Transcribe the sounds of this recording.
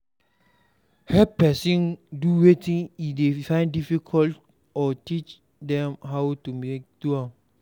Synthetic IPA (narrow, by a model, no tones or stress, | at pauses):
hɛpɛsĩnduwetĩŋidefãɪ̃ndifikʰɔlt | ɔtit͡ʃ | dɛ̃mɦawtumek̚dua